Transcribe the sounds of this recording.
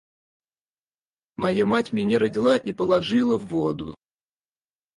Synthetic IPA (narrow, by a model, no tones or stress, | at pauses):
mɐjamatʲmʲɪnʲɪɾədʲɪlˠanʲɪpəlˠɐʐɨlˠəvːod̪ʊ̰